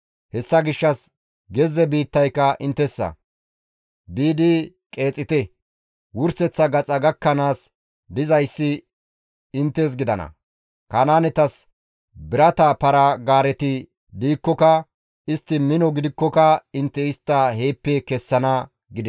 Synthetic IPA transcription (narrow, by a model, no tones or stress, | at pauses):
hɛsːɐɡɪʃːɐs | ɡɛzɛbiːt̪ːɐjkːɐʔɪnt̪ːɛsːɐ̰ | biːd̪ɪ | kʼe̞ːt͡sʼːɪt̪ɛ | wʊɾsɛt͡sːɐɡɐt͡sʼɐɡɐkːɐnaːs | d̪ɪzɐjsːɪ | ɪnt̪ːeːs̬ɡɪd̪ɐnɐ̰ | kɐnaːnɛt̪ɐs | bɪɾɐt̪apɐɾɐɡaːɾɛt̪ɪ | d̪iːkːɔkɐ | ɪst̪ːɪmɪnɔɡɪd̪ɪkːɔkɐɪnt̪ːɛɪst̪ːɐhe̞ːpːɛkɛsːɐnɐ | ɡɪd̪ɛ